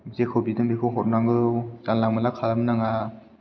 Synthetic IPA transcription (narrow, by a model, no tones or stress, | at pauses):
zekʰobidɯŋbikʰɯwɦɔt̚naŋɡɯzanlaŋmalakʰalamnaŋa